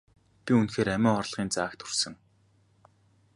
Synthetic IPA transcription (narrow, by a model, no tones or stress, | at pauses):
pʲiunxeːɾæmʲæːŋχɔrɮʁ̥iːnt͡saːkt̪ʰɵ̥rsɘ̆ŋ